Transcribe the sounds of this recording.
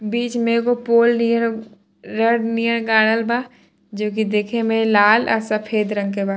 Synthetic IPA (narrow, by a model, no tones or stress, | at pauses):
biːt͡ʃmẽːkopoːlni | ɾəɽnijəɽ̃ɡaːɽ̃əlbaː | d͡ʒoːk̬id̪eːkʰemẽlaːlɐ̰sɐpʰeːd̪ɾɐ̃ŋɡ̚kebaː